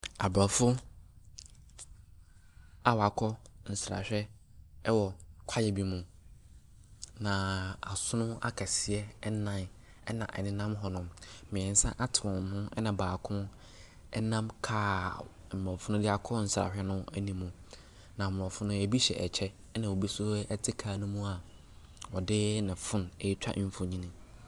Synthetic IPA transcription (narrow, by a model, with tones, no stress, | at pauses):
a˨bɾɔ˨fʊ˦ | a˨wa˨kʰɔ˦n̩˨sɾa̰˨ɕᶣɛ˦ | ɛ˦wɔ˨kʷʰa˦jɛ˨bi˨mũ˨ | nã˨a˨sʊ˦nʊ̃˦a̰˦kʰa˨sɪ˨ɛ˦nã˦n | ɛ˦nã˨ʔɛ̰˨nɪ̃˦nã˦mɦɔ˨nʊ̃˨mmɪ̃˨ɛ̃˨n̩˨sã˦ʔa˦tʰɪ˨wɔ̃˨n˨hʊ̃˦ɛ˦nã˨baː˨kʰʊ̃˦ | ɛ˦nã˦mkʰaː˦˨ | m̩˨mɛ̃˨fʊ˦nʊ̃˦dɪ˦a˨kʰɔ˦n̩˨sa̰˨hᶣɛ˦nʊ̃˦æ˦nĩ˨mũ˨ | nã˨mʊ̃˨ɔ̃˨fʊ˦nʊ̃˦æ˨bi˦ɕɛ̰˨ʔɛ˨t͡ɕʰɛ˦nã˨wo˨bi˦sʊ˦ɛ˦tʰɪ˦kʰaː˨nʊ̃˦mũ˦a˨ | wɔ˨dɪ˦nɪ̃˨fʊ̃˦nɛ˨˦t͡ɕᶣa̰˦ʔm̩˦fõ˨ɲĩ˦nĩ˦